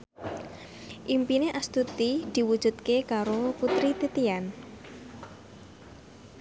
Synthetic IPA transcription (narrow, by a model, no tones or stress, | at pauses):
ʔimpineʔast̪ut̪id̪̥i̤wu̥ʒ̥ṳd̪̚kekaɾoput̪ɾit̪it̪ian